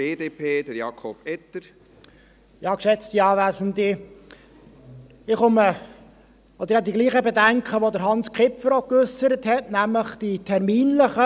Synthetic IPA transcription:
eːdeːpʰeːd̥̪əɾjɑkʰɔb̥ɛt̪əɾ | jɑːkʃɛt͡st̪iɑːʋæːsən̩t̪ɪ | ɪχʊmə | ɔd̪əɾɑd̪iɡliːχəbedæŋkχəʋod̪əɾɦɑnskʰɪpfəɾokøsːəɾəthɛtnæmləχd̥itʰɛɾmiːnləχə

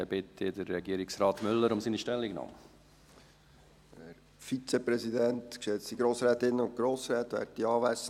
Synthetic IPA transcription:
ɛb̥ɪt̪ʰəd̪əɾːɛɡiːəɾɪksɾɑːt̪mʏlːəɾʊmsiniʃtɛlːiɡnɑ̰ːmə | æɾ | fit͡sepɾɛsidɛnt̪kʃɛt͡stiɡɾoːsɾɛːt̪ɪnːəʊnt̚ɡ̥ɾoːsɾɛːt̪ʋæ̰ːɾt̚tiɑːʋæs

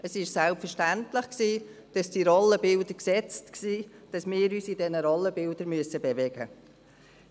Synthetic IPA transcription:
ʔəsɪʃsælpfəɾʃtæntlɪχksiː | d̥ɑsd̥iɾɔlːəbɪldəksɛt͡stksiːd̥ɑsmɪːɾyːsidɛnəɾɔlːəbɪldəɾmyəsəbɛvɛɡə

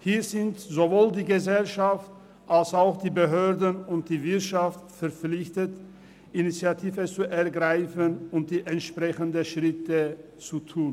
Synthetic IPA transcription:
hiːɐzɪntzovoːldiːɡəzɛlʃaft | ʔalsaʊxd̥iːbəɦøːɐdənʊnt̚d̥iːvɪɐtʃaftfɛɐp͡flɪçtət | ʔinit͡sjatʰiːvət͡suʔɛɐɡʁaɪfənʊnt̚d̥iːʔɛntʃpʁ̥ɛçəndəʃʁ̥ɪtə | t͡sutʰuːn

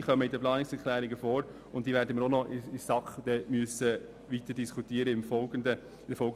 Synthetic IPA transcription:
χœməɪdəplɑːnɪksɛɾkʰlæːɾɪɡəfoːɾ | ʊnt̚d̥iːʋɛːɾdəməɾonɔʔɪɪsɑkχd̥̪ɛmyəsə | ʋit̪əɾdiskʰut̪iːəɾəɪmfɔədə | ɪdəfɔlɡə

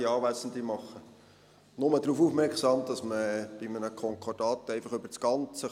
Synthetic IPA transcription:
iɑːʋæsən̩d̪imɑχːə | nʊmədɾuːfufmɛɾksɑːmd̥̪ɑsməb̥ɪmənəkʰɔŋkʰɔd̥ɑːt̪ɛɪfɑχøb̥əɾt͡sɡ̥ɑnt͡sə

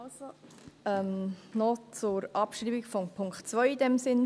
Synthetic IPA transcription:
soɛmnɔt͡sʊɾɑpʃɾiːbikfɔmpʰʊŋkχtt͡svœʏid̥ɛmsɪn

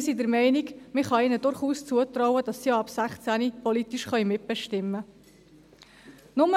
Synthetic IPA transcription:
sidəɾmɛɪnikmɪχɑɪnədʊɾχuːst͡suət̪rɔwədɑsːiɑɑpsæχt͡sænipɔlit̪iʃχœɥmɪt̚b̥ɛʃtɪmːə | nʊmə

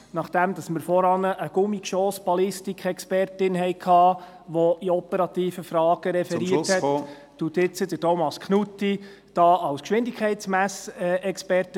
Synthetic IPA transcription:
nɑχd̥æmd̥̪ɑsməɾfɔɾɑnəʔəɡ̥ʊmikʃoːsb̥ɑlɪstikχɛkspɛrtɪnɦɛjkʰhɑː | ʋɔiɔpəɾɑt̪iːfəfɾɑːɡ̥əɾɛfɛɾiəthɛ | tut̪ɪt͡sːəd̥ətɔmɑskχnutːi | d̥ɑːɑwskʃʋɪndɪkʰχɛɪtsmæsɛkspɛrtə

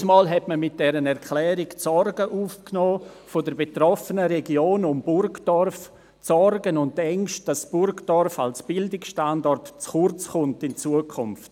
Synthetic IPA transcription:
smɑːlɦɛtməmɪt̚d̥ɛɾənɛɾkʰlɛːɾɪkt͡sɔɾɡəʔuːfknɔː | fodəɾbetɾɔfənəɾeɡioːnʊmbʊɾɡdɔɾf | t͡sɔrɡənʊntɛŋʃt̚d̥ɑsb̥ʊɾɡdɔɾfalsb̥ɪldɪksʃtandɔrtt͡sχʊɾt͡sχʊntɪnt͡suəkʰʊmft

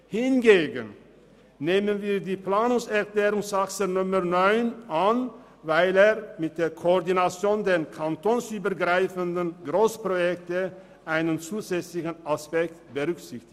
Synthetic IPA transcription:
hɪnɡeːɡən | neːmənviːɐdiːpl̥aːnʊŋsɛɐkl̥eːʁʊŋsaksənʊmənɔʏnʔan | vaɪleːɐmɪt̚d̥eːɐkʰoɔʁdinat͡sjoːndeːnkʰantoːnsyːbɐɐɡʁaɪfəndənɡʁoːspʁ̥ojɛktə | ʔaɪnənt͡suːzɛt͡slɪçən̩aspɛk̚tb̥əʁʏksɪçtɪ̥

